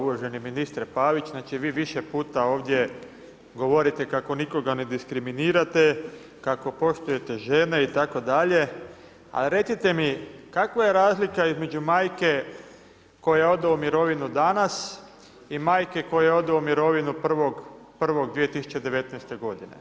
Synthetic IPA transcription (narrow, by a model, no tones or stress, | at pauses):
uoʒe̞niminist̪ɾepaːʋit͡ʃznaːt͡ʃiʋiːʋiʃepuːt̪ao̞ːʋd̪je̞ | ɡo̞ʋo̞ɾit̪ekako̞niko̞ɡane̞d̪iskɾiminiːɾat̪e | kako̞po̞ʃt̪uje̞t̪e̞ʒe̞neit̪ako̞d̪aʎe̞ | a̰lɾe̞t̪sit̪e̞mikakʋaje̞ɾaːzlikaizme̞d͡ʒumaːjke̞ | ko̞jeo̞d̪eumiɾo̞ʋinud̪anas | imaːjke̞ko̞jeo̞d̪eumiɾo̞ʋinupr̩ʋo̞ɡpr̩ʋo̞ɡd̪ʋije̞t̪isu̥t͡ɕe̞d̪e̞ʋe̞t̪nɛjst̪e̞ɡo̞d̪inḛ